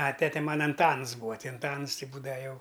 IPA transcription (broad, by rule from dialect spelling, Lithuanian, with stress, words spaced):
ɐ ˈtʲæːtʲɛ ˈmɑːnɐ ɐnˈtɐns ˈbuːɐ ˈtʲɪ ɐnˈtɐns ˈtʲɪ ˈbuːdɐʋɐ ˈjɛʊ